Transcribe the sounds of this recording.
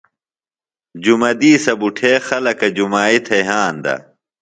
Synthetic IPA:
d͡ʑumɐd̪iːsɐbuʈʰeːxɐlɐkɐd͡ʑumaːit̪ʰɐjɦaːnd̪ɐ̰

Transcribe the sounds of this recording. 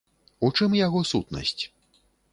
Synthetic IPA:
ut͡ʂɨmjaɣɔsut̪nɐ̰sʲt͡sʲ

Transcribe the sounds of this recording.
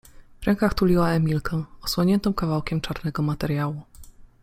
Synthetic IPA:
vɾɛŋkaxt̪ulʲiwaɛmʲilkɛ̃ɔswɔɲɛnt̪ɔ̃w̃kavawkʲɛmt͡ʂaɾnɛɡɔmat̪ɛɾʲjawu

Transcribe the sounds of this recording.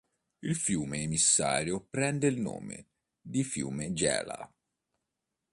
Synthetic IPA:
ilfjuːmeːmisːa̰ːɾjopɾɛnd̪eilno̰ːmḛ | d̪ifjṵːmed͡ʒɛ̰ːla̰

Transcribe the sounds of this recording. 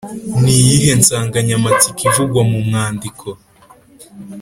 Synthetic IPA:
nijiɦe̞nsaːŋɡaɲamat͡sikʰivuɡwamumŋaːndikʰo

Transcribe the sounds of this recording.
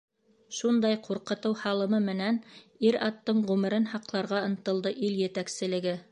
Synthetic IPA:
ʃund̪ɑjquɾqɤ̆t̪ɤwhɑlˠɤ̆mɤmɘ̆næniɾɑt̪ːɤɴʁʉmɘ̆ɾɘnhɑqlˠɑɾʁɑɤ̆nt̪ɤ̆lˠd̪ɤʔiljɘ̆t̪æksɘ̆lɘ̆ɡɘ

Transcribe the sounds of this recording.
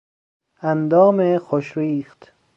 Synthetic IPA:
ænd̪ɒːmexoʃɾiːxt̪

